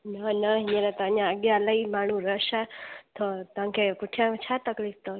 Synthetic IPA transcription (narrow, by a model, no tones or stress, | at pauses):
nənəɦiɲenat̪aɲjãəɡjaləimaɽ̃ũɾəʃat̪ʰot̪ãŋkekuʈʰjãt͡ʃʰat̪əklik̚t̪o